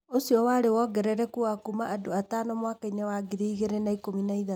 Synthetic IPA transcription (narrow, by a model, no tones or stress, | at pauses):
osiɔwaːɾewɔɡɛɾɛɾɛkuakumaʔadoataːnɔmwakainɛwaɡiɾiːɣeɾenaikominaiða